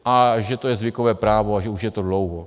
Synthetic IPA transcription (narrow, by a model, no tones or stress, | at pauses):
ʔaʒɛt̪o̞jɛzvɪkovɛːpɾaːvoaʒɛuʃjɛt̪o̞dlowɦo